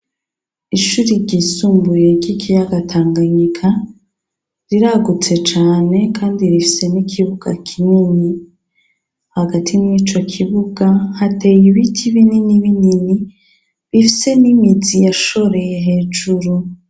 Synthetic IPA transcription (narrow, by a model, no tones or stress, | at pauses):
iʃuɾiɾɟisuːmbuje̞ɾɟikijaɡatʰaːŋɡaɲikʰa | ɾiɾaɡut͡se̞t͡ʃaːne̞kʰaːndiɾifi̥se̞nikʰiβuɡ̥a̰kʰinini | haɡatʰiniːt͡ʃo̞kʰiβuɡahatʰe̞jiβitʰiβininiβinini | βifi̥se̞nimid͡zijaʃo̞ɾe̞jeɦe̞ːd͡ʒuɾu